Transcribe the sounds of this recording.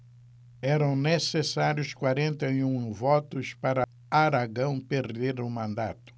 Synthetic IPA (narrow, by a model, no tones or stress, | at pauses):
ɛɾɐ̃w̃nesesaɾjʊskwaɾẽnt̪ɐjũvɔt̪ʊspaɾɐ | aɾaɡɐ̃w̃peɾd̪eɾʊmɐ̃nd̪a̰t̪ʊ̥